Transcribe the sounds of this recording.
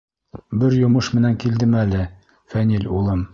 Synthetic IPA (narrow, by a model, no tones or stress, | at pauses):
bɘɾjŏmɤʃmɘ̆næŋkild̪ɘmælɘ | fænilʲulˠɤm